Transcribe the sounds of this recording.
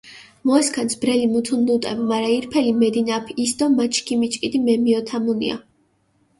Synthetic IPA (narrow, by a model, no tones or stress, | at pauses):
mɔaskʰansbɾɛlimut̪ʰunlut̪ʼɛbmaɾaiɾpʰɛlimɛd̪inapʰisd̪ɔmat͡ʃʰkʰimit͡ʃʼkʼid̪imɛmiɔt̪ʰamunḭa̰